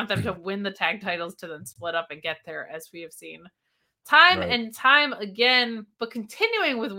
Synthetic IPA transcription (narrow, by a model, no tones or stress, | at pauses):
nðɨ̃mtʰəwɪ̃nðɨtʰæɡ̚tʰaɪɾl̩ˠz̥tʰɨðə̃msplɪɾʌpɨ̃nɡɛt̪̚ðə˞ʔɨzwiɨv̥sĩn | tʰãɪ̃mɨ̃ntʰãɪ̃mɨɡɛ̃nb̥ʌt̚kʰn̩tʰɪ̃njʉɪ̃ŋwɨðw